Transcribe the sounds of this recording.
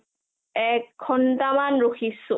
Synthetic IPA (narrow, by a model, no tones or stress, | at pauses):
ɛkʰːɔntamanɹoxʰisʊ